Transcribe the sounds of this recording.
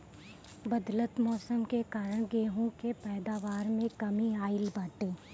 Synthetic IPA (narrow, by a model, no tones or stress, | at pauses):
bɐd̪lət̪mɔːsəmkekaːɾəɽ̃ɡeːɦõkepɛːd̪aːʋaːɾmẽkɐmiaːɪlbaːʈẽː